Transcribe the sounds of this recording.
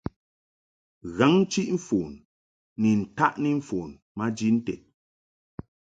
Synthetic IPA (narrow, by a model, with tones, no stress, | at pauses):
ɣa˨˦ŋ˦t͡ʃi˦ʔɱ̩˦foː˨n | ni˨n̩˨ta˦ʔni˦ɱ̩˦foː˨n | ma˦d͡ʒi˦n̩˦tɛ˨t̚